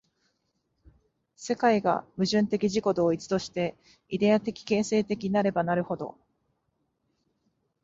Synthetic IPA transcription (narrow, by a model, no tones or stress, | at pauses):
se̞kaiɡa̰mɯ̟ʑɨ̃nt̪e̞kʲiʑiko̞d̪o̞ːit͡sɨ̥t̪o̞ɕi̥t̪e̞ | id̪e̞at̪e̞kʲi̥ke̞ːse̞ːt̪e̞kʲiɲinaɾe̞banaɾɯ̟ho̞d̪o̞̰